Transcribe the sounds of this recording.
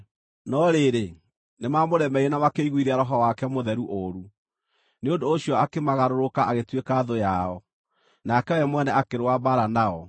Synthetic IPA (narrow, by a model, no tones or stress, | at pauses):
nɔɾeɾe | nemamoɾɛmɛienamakeiɣwiɾeaɾɔɦɔwakɛmoðɛɾuʔoɾu | neondoːɕiɔakemaɣaɾoɾokaaɣetwekaðojaɔ | nakɛwɛmwɛnɛakeɾoaβaɾanaɔ